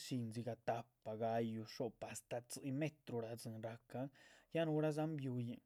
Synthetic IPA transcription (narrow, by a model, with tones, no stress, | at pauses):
ʃi˧nzi˧ɡa˧t̪a˧pa˨ɡa˧ju˧ʂo˧pa˨st̪a˨t͡sɨ˧˨me˦t̪ɾu˧ɾa˨d͡zɨ˨nɾa˧ka˦ja˦nu˧ɾa˦za˦mbju˧ji˨